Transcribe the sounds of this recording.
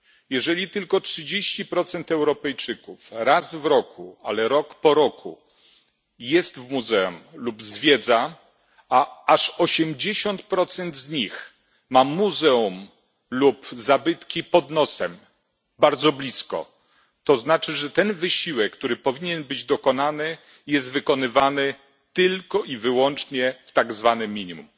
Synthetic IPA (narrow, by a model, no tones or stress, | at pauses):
jɛʐɛlʲit̪ɘlkɔtʂɘd͡ʑeɕt͡ɕipɾɔt̪sɛnt̪ɛwɾɔpɛjt͡ʂɘkufɾazvɾɔkʰṵalɛɾɔkpɔɾɔkʰṵ | jɛst̪vmuzɛumlubzvʲjɛd̪za | aaʂɔɕɛmd͡ʑeɕɔnt̪̚pɾɔt̪sɛnd̪zɲix | mamuzɛum | lupzabɘt̪kʲipɔd̪nɔsɛm | baɾd̪zɔblʲiskɔ̰ | t̪ɔznat͡ʂɘʐɛt̪ɛnvɘɕiwɛkːt̪uɾɘpɔvʲiɲɛnbɘd͡ʑd̪ɔkɔnanɘ | jɛst̪vɘkɔnɘvanɘ | t̪ɘlkɔivɘwɔnt͡ʂɲɛft̪aɡzvanɘmʲiɲimṵm